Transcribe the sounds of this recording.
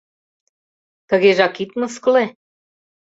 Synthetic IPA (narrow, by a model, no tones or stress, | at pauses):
t̪ə̆ɣeʒɑkit̪məskle